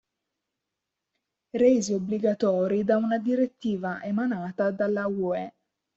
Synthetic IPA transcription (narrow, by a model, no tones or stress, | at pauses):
reziobliɡat̪ɔːɾid̪aunad̪iɾet̪ːiːvaʔemanaːt̪ad̪alːauɛ